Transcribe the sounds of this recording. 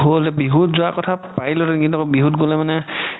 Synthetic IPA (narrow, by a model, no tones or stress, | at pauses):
ɦolzɛbiɦutzɔakɔtʰapailɔtɛnkintakɔbiɦutɡolɛmanɛ